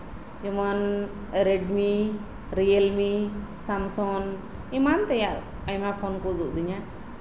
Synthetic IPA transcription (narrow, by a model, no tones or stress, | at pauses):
d͡ʒɔmən | ɾɛɖmi | ɾijəlmisamsɔn | imant̪ɛjaʔ | ajmapʰɔnkud̪uʔd̪iɲa